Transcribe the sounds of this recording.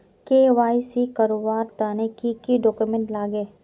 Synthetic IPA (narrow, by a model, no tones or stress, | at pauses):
keːʋaːisikɐɾobaːɾt̪aːnekikiɖɔːkumẽɳʈlaːɡeː